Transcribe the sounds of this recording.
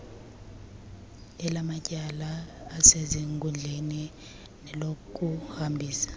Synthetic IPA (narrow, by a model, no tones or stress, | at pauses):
ɛlamacʼalaːseziŋkʼund͡ɮʱeni | nɛlokʼuhambʱiːsḁ